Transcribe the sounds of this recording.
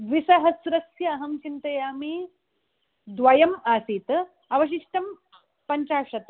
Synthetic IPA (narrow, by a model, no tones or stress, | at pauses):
ʋisɐɦɐsuɾɐksjɐɐɦɐmt͡ʃint̪ɐjami | d̪ʋɐjɐmasiːt̪ | ɐʋɐɕ̬iʂʈɐm | pɐɲt͡ɕaːɕɐt̪